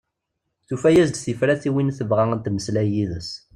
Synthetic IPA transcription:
θufæjæzd̪θifɾæθiwinθəvʁæənt̪məslæjiðəs

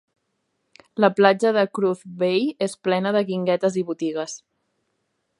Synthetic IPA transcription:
ləplad͡ʒəðəkɾuθβejesplɛnəðəɣiŋɡɛt̪əziβut̪iɣ̞əs

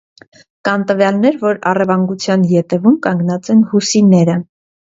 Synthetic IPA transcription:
kɑnt̪əvjɑlnɛɾvɔɾɑrɛvɑŋɡut͡sʰjɑnjɛt̪ɛvumkɑŋɡnɑt͡sɛnhusinɛɾə

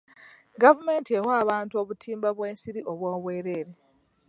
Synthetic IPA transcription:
ɡavume̞ːntiewaːβaːntuo̞ːβutʰiːmbaβweːnsiɾiʔo̞βwoːβwe̞ːɾeːɾe

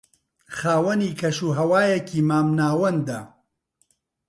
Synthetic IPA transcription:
xaːwɐniːkʰɐʃuːɦɐwaːjɛkʰiːmaːmnaːwɐnd̪ɐ

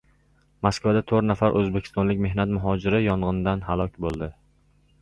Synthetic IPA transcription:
maskvad̪at̪ʰɵɾt̪nafaɾʔɵzbekʰʲɪ̥st̪ɒnlɪkʲme̞hnat̪mʊɦɒd͡ʒɪɾɪjɒɴʁɨnd̪anhalˠɒkʲbolˠd̪ɪ

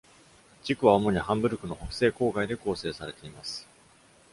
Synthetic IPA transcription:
d͡ʑikɯ̟βao̞mo̞ɲ̟ihãmbɯ̟ɾɯ̟kɯ̟no̞hokɯ̟̥se̞ːko̞ːɡaid̪e̞ko̞ːse̞ːsaɾe̞t̪e̞imasɨ̥

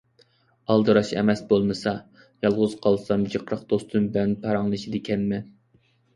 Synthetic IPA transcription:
ɑlˠd̪ɨɾɑʃɛ̰mɛsbolˠmɨsɑ | jɑlˠʁʊzqʰɑlˠsɑmd͡ʒəqʰɾəqd̪̥ost̪umbɪlɛnpʰɑɾɑŋlˠɨʃid̪ɪkʲʰɛnmɪ

